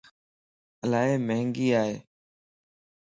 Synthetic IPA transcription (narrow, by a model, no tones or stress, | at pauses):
əlaːeːməɦŋɡiːaːɦeː